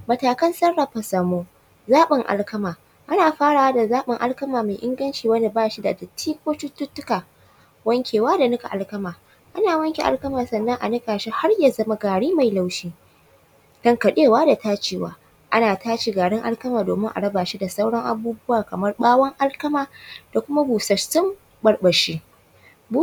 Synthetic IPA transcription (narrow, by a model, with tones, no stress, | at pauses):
mɐ˨taː˨kɐ˦nsɐ˦ɽːɐ˨ɸɐ˨sɐː˨moː˦ | zaː˦ɓɪ˨ŋʔa̰˨lkɐ˦maː˨ | ʔa˦naː˨ɸaː˦ɽaː˨wa˦da˨zaː˦ɓɪ˨ŋʔa˦lkɐ˦maː˨ma˨jʔɪ˦ŋɡɐ˦nt͡ʃiː˨wɐ˦nda˨baː˦ʃi˦da˨dɐ˨tʰiː˦kʷoː˦t͡ʃʊ˦tːʊ˦tːʊ˦kaː˨ | wɐ˦ŋkʲeː˨waː˦da˨nʊ˦ka̰˨ʔa˨lkɐ˦maː˨ | ʔa˦naː˨wɐ˦ŋkʲḛ˨ʔa̰˨lkɐ˦maː˨sɐ˨nːɐ˦ŋʔa̰˨nɪ˦kaː˨ʃi˦ha˦rja˨zɐ˦ma˦ɡaː˨ɽiː˦ma˨jla˨wʃiː˦ | d̥ɐ˦ŋkɐ˨ɗeː˦˨waː˦da˨taː˦t͡ʃiː˨wa̰ː˦ | ʔa˦naː˨taː˦t͡ʃi˨ɡaː˨ɽɪ˦ŋʔa̰˦lkɐ˦maː˨doː˨mɪ˦ŋʔa̰˨ɽɐ˦baː˨ʃi˦da˨sa˦wɽɐ˦ŋʔa̰˨buː˦bʊ˦waː˨kɐ˨mɐ˦rɓaː˦wɐ˦ŋʔa˦lkɐ˦maː˨d̥a˨kʷʊ˦ma˦buː˨sɐ˨t͡ʃːɪ˦m | bɐ˨ɽɓɐ˨ʃiː˦ | bu˦